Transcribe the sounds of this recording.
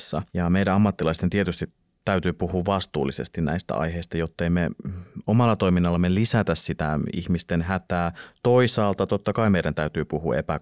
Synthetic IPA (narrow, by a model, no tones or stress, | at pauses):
sːɑ̰jɑmejɾæɑmːɑt̪ːilɑist̪ent̪iet̪yst̪it | t̪æyt̪yːpuhuːʋʋɑst̪ṵːlːisḛst̪innæ̰ist̪æ̰ʔɑ̰jɦeist̪ɑjot̪ːeimeomɑlːɑt̪o̞iminːɑlːɑmelisæt̪æssit̪æḭçmist̪enɦæt̪æːt̪o̞isɑːlt̪ɑt̪ot̪ːɑkɑimeiɾænt̪æyt̪yːpuhṵːʔepæ